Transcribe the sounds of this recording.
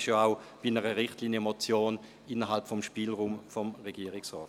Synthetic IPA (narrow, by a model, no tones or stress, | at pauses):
ʃjoaʊ | b̥inəʁəʁɪχtliːnjəmot͡sjoːn | ɪnɐɦalpfɔmʃpiːlʁuːmfɔmʁeɡiːʁɪksʁɔːt